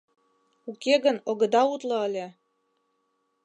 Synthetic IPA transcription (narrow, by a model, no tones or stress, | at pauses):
ukeɣə̆noɣɤ̆d̪ɑut̪lɤ̆əlʲe